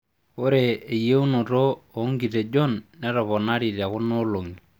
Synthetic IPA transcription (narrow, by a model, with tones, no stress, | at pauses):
kʊ˦ɾeː˨je˦u˦no˨to˦o˨˦ŋɡi˨te˨d͡ʒɔ˦nːɛ˦tɔ˨pɔ˨na˦ɾi˨ta˨kʊ˦no˦lo˨ŋi˨